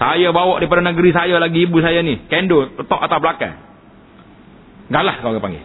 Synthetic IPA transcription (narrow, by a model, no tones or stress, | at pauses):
sajabawaʔdipadanəɡəɾisajalaɡiːbusajanihkɛndot̪ɔʔat̪awpəlaka̰ | ŋɡaʔlahkaɡapa̰ŋɡḭ